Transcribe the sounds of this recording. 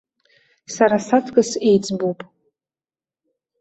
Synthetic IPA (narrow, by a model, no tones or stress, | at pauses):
saɾasatʰɡʼɨsejd͡zbowpʼ